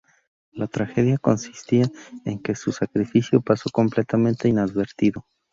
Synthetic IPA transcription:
lat̪ɾaxe̞ðjako̞nsi̥st̪iae̞ŋke̞susakɾifisjo̞paso̞ko̞mple̞t̪amẽ̞nt̪e̞inaðβe̞ɾt̪iðo̞

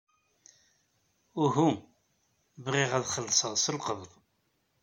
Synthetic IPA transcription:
ʊɦu | bʁiʁæðχəlːsˤəʁsˤəlqəððˤ

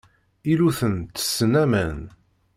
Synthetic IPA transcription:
iluθənt̪ə̥sːənæmən

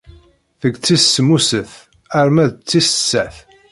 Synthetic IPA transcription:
θəɡt͡sːisːəmusəθ | æɾmæðt͡sːisə̥sːæθ

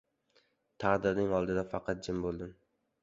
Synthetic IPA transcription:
t̪ʰɑʁd̪ɪɾnɪŋɒlˠd̪ɪd̪afɑqʰɑt̪̚d͡ʒɪmbolˠd̪ɪm

